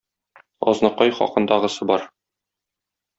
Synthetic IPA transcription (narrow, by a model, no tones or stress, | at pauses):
ɒ̰znɤqɑjχɒ̰qɤ̆nd̪ɑʁɤ̆sɤbɒɾ